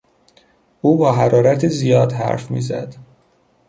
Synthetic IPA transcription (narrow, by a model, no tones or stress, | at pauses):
ʔuːbɒːɦæɾɒːɾæt̪ʰizijɒːd̪hæ̰ɾfmḭːzæ̰d̪̥